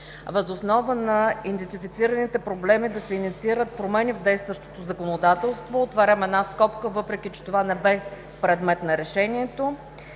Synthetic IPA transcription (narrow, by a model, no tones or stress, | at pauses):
vəzosnɔvənɐind̪ɛnt̪ifit̪siɾənit̪ɛpɾoblɛmid̪ɐsɛinit̪siiɾət̪̚pɾomɛnivd̪ɛjst̪vəʃt̪o̥t̪ozɐkonod̪at̪ɛlˠst̪voːt̪vɐɾɛmɛd̪naskɔpkəvɤpɾɛk̟it͡ʃɛ̥t̪ovanɛbɛ | pɾɛd̪mɛt̪nɐɾɛʃɛniɛt̪o